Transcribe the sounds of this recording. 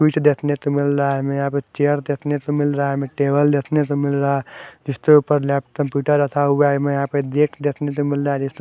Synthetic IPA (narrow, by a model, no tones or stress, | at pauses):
sit͡ʃd̪et̪ʰnet̪omilɾamejãpet͡ʃeɾd̪et̪ʰnet̪omilɾaɦemeʈebəld̪et̪ʰnet̪omilɾaɦad͡ʒist̪oupəɾlɛp̚kəmpjuʈəɾət̪ʰaubamejãped̪ekʰd̪et̪ʰnet̪omilɾad͡ʒist̪o